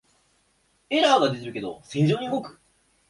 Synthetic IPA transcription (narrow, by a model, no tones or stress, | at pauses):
e̞ɾaːɡad̪e̞t̪̬ʲiɾɯ̟ke̞d̪o̰sẽɲd͡ʑo̞ːɲ̟iɯɡokɯ̟̥